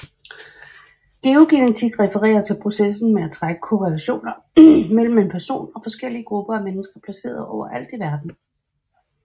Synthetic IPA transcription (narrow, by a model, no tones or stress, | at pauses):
ɡ̥e̝o̝ɡ̥inæt͡sʰiɡ̥ʁɛfəʁɛ̰ːɐt͡sʰe̝lpʰʁo̝sesn̩meæt͡sʰʁaɡ̥ə̥kʰo̝ʁɛlæɕo̝̰ːnɐmel̰m̩e̝npʰæɐso̝̰ːnɒ̽fɒ̽sɡ̥el̰iəɡ̥ʁub̥ɐæmenəsɡ̥ɐpʰlæse̝̰ːɐð̩ˠʔɒʊ̰ɐʔæl̰d̥iʋæɐd̥n̩